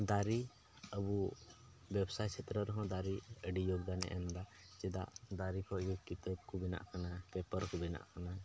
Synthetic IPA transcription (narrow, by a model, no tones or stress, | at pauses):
d̪aɾi | əbu | bɛbsajt͡ʃʰɛt̪ɾəɾɔɦɔ̃d̪aɾiəɖijɔɡd̪anɛ̰ʔɛmd̪ad͡ʒɛd̪a̰ʔd̪aɾikʰɔɡɛkit̪əb̚kubina̰ʔkanapɛpəɾkubina̰ʔkana